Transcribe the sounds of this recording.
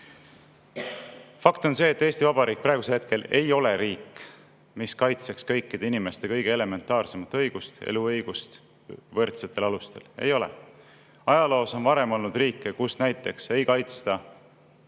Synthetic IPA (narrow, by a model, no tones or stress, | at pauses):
fɑkt̪o̞nse̞ːt̪ˑːeːst̪ivɑb̥ɑɾiːk̚prɾɑeɡuselhet̪ke̞le̞jo̞le̞ɾiːkː | miskɑjt̪sekskɤ̞jkːid̪̥einime̞st̪e̞kɤjɡ̥e̞ele̞me̞nt̪ːˑɑːrse̞mɑt̪ːˑɤ̞jɡ̥ust̪ḛluɤjɡ̥ust̪ | vɤrt̪set̪ːˑe̞lɑlust̪e̞̰le̞jo̞lḛ | ɑjɑlo̞ːso̞nvɑɾe̞mo̞lnud̪̥riːkːˑekusnæjt̪ːˑe̞kse̞jkɑjt̪st̪ɑ